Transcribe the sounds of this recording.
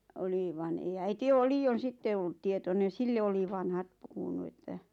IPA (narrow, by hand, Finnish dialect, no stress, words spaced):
oli ʋɑn ei æiti oː liːon̞ sitːe olːŭt̆ tietonen̞ silːe oli ʋɑnhɑt puhunu etːæ